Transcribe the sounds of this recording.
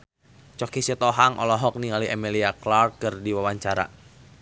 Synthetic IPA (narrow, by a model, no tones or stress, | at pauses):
t͡ʃɔkisɛt̪ɔɦaŋʔɔ̰lɔɦɔk̚niŋaliʔɛmiliaklarkːɨrdiwawaɲt͡ʃaɾa̰